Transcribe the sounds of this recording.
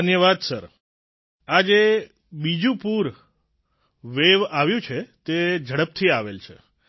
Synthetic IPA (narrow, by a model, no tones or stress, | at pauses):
ənjəʋad̪səɾ | ad͡ʒe | bid͡ʒũpuɾ | ʋeʋaʋjũt͡ʃʰet̪ed͡ʒʱəɽəp̚t̪ʰiaʋelt͡ʃʰḛ